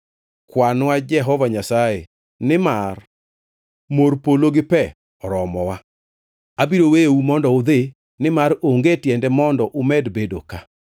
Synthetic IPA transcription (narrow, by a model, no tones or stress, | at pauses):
kwanwad͡ʒɛɦɔvaɲasaje | nɪmar | moɾpoloɡɪpɛ | ɔɾɔmɔwa | abiɾowejoumɔndɔʊd̪e | nɪmaɾoŋɡetjɛndɛmɔndɔʔʊmɛdbedoka